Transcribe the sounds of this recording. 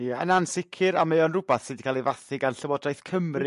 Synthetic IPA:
ijaənansɪkʰɪɾamejɔnrʊbaθsiːdikʰalˠivaθɪɡanɬəwɔdrajθkʰəmrɨ

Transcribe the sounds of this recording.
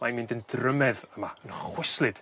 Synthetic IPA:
majmɪndəndrəmɛðəmaənχwɪslˠɪd̥

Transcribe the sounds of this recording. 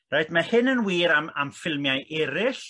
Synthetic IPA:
rajdmahɨnənwiːɾamamfɪlˠmjajʔɛɾɪɬ

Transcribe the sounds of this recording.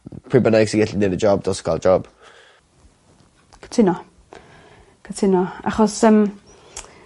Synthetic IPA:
pʰribənajɡsiɡɛɬinedəd͡ʒɔb̚d̥ɔskʰwa̰lˠd͡ʒɔb̥ | kʰə̥tʰɪnɔ | kʰətʰɪnɔa̰χɔsəm

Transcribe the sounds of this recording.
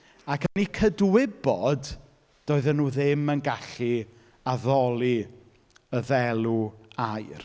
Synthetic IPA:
akʰənikʰədwɪbɔd | d̥oːɨðənuːðɪmənɡaɬi | aðɔlˠi | əðɛlˠuajr

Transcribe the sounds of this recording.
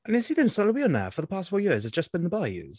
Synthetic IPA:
ʔə̃nəsiːðə̃msə̃biəna̰fəðəpʰɑˑstfɔjɪəzəzd͡ʒʌsb̥ɪ̃nðəbaɪʉ̰z̥

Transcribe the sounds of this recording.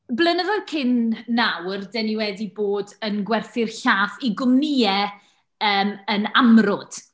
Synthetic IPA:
blˠənəðɔkʰɪnːawrdɛniwɛdiboːdənɡwɛrθɪrɬaːθiɡʊmnɪɛ | əːmənamrɔd̥

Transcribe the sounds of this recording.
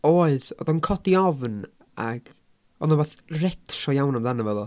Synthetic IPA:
oːɨðɔ̰ðɔnkʰɔdiɔvn | a̰ɡ̥ | ɔ̰nawaθrɛtʰrɔjawnamðanavɛðˠɔ

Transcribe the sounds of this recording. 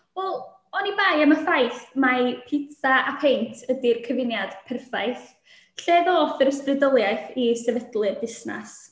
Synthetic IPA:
wɛlˠ | ɔnibajəməfajθmapʰɪtʰaʔapʰejntʰədirkʰəvɪnjad̥pʰɛrfajθ | ɬɛːðɔfəɾəstrɨdəlˠjajθisɛvədlˠɨrdɪsna̰s

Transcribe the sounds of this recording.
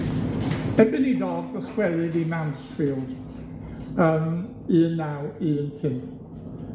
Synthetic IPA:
ɛbɪnidɔdɡɔswɛðɨdimawnsfiːlˠd̥ | əm | ɨːənːawɨːənpʰɪn

